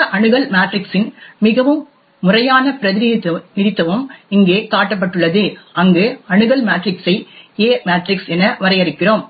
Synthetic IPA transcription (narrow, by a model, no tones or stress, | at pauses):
ʔɐɳɯɣɐɭmaːʈrɪksɪnmɪɣɐʋɯmː | ʊrɐjaːnɐpɪɾɐðɪniɐnɪɾɪt̪ːɐʋɯmɪŋɡeːkaːʈːɐp̬ːɐʈːɯɭːɐðɯʔɐŋɡɯɐɳɯɣɐɭmaːʈrɪksɐɪeːmaːʈrɪksɛnːɐʋɐɾɐɪjɐɾɪkːɪroːm